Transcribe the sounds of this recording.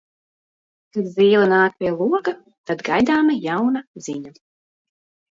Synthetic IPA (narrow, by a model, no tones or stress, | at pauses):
kad̪zʲiːlˠanaːk̚pʲiɛlˠuɔɡa | t̪ad̪ɡajd̪aːmajawnaziɲa